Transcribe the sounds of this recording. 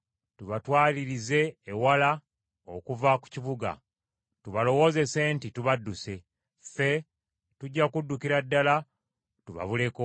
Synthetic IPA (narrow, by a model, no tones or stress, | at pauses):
tuβatwaːliɾize̞ːwala | o̰kuvaku̥ciβuɡa̰ | tuβalo̞wo̞ːze̞se̞ntituβadːuse̞ | fe̞ | tuɟːakudːukiɾadːala | tuβa̰βule̞ko